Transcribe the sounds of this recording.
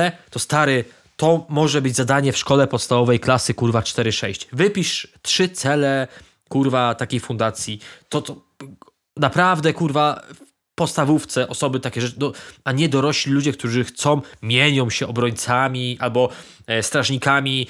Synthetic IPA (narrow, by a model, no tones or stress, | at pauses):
ɛt̪ɔst̪aɾɛ | t̪ɔmɔʐɛbɘd͡ʑzad̪aɲɛfʂkɔlɛpɔt̪st̪avɔvɛjklasɘkuɾvat͡ʂt̪ɛɾɘʂɛɕt͡ɕvɘpʲiʂt̪ʂɘt̪sɛlɛ | kuɾvat̪akʲejfund̪at̪sʲjit̪ɔt̪ɔ | napɾavd̪ɛkuɾvaf | pɔt̪st̪avuft̪sɛʔɔsɔbɘt̪akʲɛʐɛd̪ɔaɲɛd̪ɔɾɔɕlʲilud͡ʑɛkt̪uʐɘxt̪sɔ̃w̃mʲjeɲɔ̃w̃ɕɛɔbɾɔɲt̪samʲiʔalbɔ | st̪ɾaʐɲikamʲi